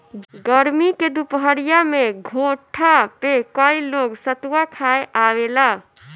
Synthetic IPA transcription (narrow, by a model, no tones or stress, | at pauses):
ɡəɾmiked̪upɦəɾijameɡʱõʈʰapekəiloɡsət̪wakʰaeʔawela